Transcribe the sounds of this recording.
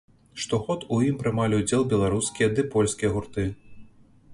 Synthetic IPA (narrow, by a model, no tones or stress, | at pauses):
ʂt̪ɔɣɔt̪ujimpɾɨmalʲiwd͡zʲɛlˠbʲɛlˠaɾuskʲijɐd̪ɨpɔlʲsʲkʲijɐɣurt̪ɨ